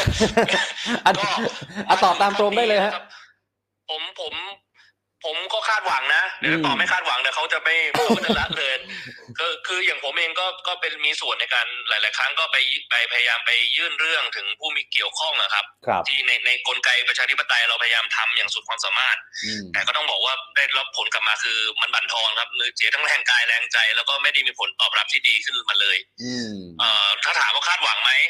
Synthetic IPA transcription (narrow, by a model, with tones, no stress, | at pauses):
ʔa˧˩˥ʔa˨˧˩t̪ɔː˨˩p̚t̪aː˧mt̪ɾoː˧mdaː˥˩jlɤː˧jha˦˥˦ʔ | pʰo˩˦mpʰo˩˦m | pʰo˨˩˦mkɔː˥˩kʰaː˥˩t̪̚wa˨˩˦ŋna˦˥t̪ɛː˨˩˦ɔː˥˩ma˥˩jkʰaː˥˩wa˨˩˦ŋnɛː˨˩kʰwt͡ɕa˨˩ma˥˩ju˥˩t͡ɕa˧la˦˥lɤː˧kʰɯː˧˩kʰɯː˧jaː˨˩ŋpʰo˩˦mʔeː˧ŋkɔː˥˩kɔː˥˩pe˧nmiː˧su˨˩ənːa˧jkaː˧nlaː˨˩˦jlaː˨˩jkʰɾa˦˥ŋkɔː˥˩pa˧jpa˧jpʰa˧ja˧jaː˧mpa˧jːɯː˥˩nɾɯ˥˩əŋt̪ʰɯ˩˦ŋpʰuː˥˩miː˧ki˨˩əwkʰɔ˥˩ŋʔa̰˨˩kʰa˦˥p̚ʰt̪ʰiː˥˩na˧jna˧jko˧nka˧jpɾt͡ɕʰaː˧t̪ʰi˦˥pːa˧t̪a˧jɾa˧wpʰa˧ja˧jaː˧mt̪ʰa˧mjaː˨˩ŋsu˨˩t̪̚kwaː˧msaː˩˦maː˥˩t̪̚t̪ːɛː˨˩kɔː˥˩t̪ɔ˥˩bɔː˨˩k̚waː˥˩daː˥˩jlo˦˥p̚pʰo˨˦nkla˨˩p̚maː˧kʰɯː˧ma˧nba˧nt̪ʰɔː˧nkʰa˦˥p̚nɯː˧t͡ɕʰi˨˦t̪ʰa˥˩tʰɛː˧ŋkaː˧jlɛː˧ŋt͡ɕa˧jlɛ˦˥wkɔː˥˩ma˥˩jda˥˩jmiː˧pʰo˩˦nt̪ɔː˨˩p̚ɾa˦˥t̪ʰiː˥˩diː˧kʰɯ˥˩nma˧nlɤː˧j | ʔɤː˨˩t̪ʰaː˥˩t̪ʰaː˨˦mkaː˥˩kʰaː˥˩t̪̚wa˩˦ŋma˦˥j